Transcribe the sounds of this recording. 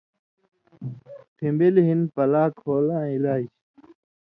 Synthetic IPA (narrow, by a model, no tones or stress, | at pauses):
t̪ʰĩmbelɦinpəlaːkʰoːlãːilaːiɕ